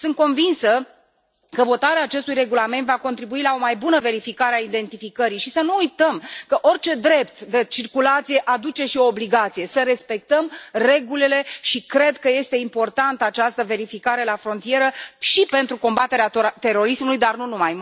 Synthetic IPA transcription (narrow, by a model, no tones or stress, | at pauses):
sɨnt̪̚ko̞nvinsə | kəvo̞t̪aɾeaːt͡ʃe̞st̪ujre̞ɡulame̞nt̪vako̞nt̪ɾibuilao̞majbunəve̞ɾifikaɾeaid̪e̞nt̪ifikəɾijʃisənuujt̪əmkəʔo̞rʲt͡ʃe̞d̪ɾe̞pt̪d̪e̞t͡ʃirkulat̪sije̞ʔad̪ut͡ʃe̞ʃio̞ːbliɡat̪sije̞səɾe̞spe̞k̚t̪əmre̞ɡulele̞ʃikɾe̞d̪kəje̞st̪e̞impo̞rt̪ant̪əat͡ʃast̪əve̞ɾifikaɾe̞lafɾo̞nt̪ije̞ɾəʃipe̞nt̪ɾuko̞mbat̪e̞ɾeat̪e̞ɾo̞ɾismulujd̪arnunumaj